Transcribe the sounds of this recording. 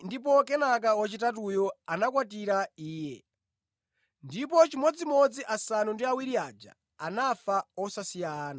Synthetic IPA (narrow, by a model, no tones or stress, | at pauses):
ndip̬ɔkɛnak̬awɔt͡ʃitatujɔanakwatiɾaiːjɛ̰ | ndip̬ɔt͡ʃimwɔd͡zimɔd͡ziʔasanundiawiɾiad͡ʒa̰ː | nafaɔsasijaːna